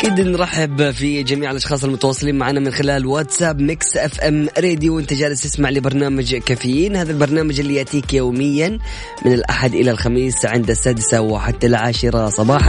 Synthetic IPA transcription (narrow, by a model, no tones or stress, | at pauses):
ʔakiːd̪nɾˤɑħɪbfid͡ʒamiːʕɪlʔɑʃxɑːsˤɑlmʊt̪awɑsˤːɨliːnmaʕaːnamɪnxɪlaːlwat̪saːbmɪksʔafʔamɾeːd̪juwʔɪnt̪ad͡ʒaːlɪst̪ɪsmaʕlɪbɑɾˤnaːmad͡ʒkaːfɪjːiːnhaːðalbɑɾˤnaːmad͡ʒɪlːijaʔt̪iːkjoːmɪjːan | mɪnɪlʔa̰ħad̪ʔɪlalxamiːsʕɪnd̪asːaːd̪ɪsawɪħat̪ːalʕaːʃɾˤɑsˤɑbɑːħa